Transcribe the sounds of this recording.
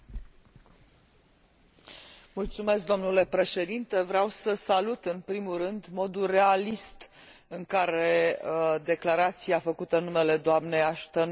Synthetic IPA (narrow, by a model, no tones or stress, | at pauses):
mult̪sume̞sk̚d̪o̞mnule̞pɾe̞ʃe̞d̪int̪e̞vɾeawsəsalut̪ɨnpɾimuɾɨnd̪mo̞d̪ure̞alist̪ɨŋkaɾe̞d̪e̞klaɾat̪siafəkut̪ənːume̞le̞d̪oamneaʃt̪ən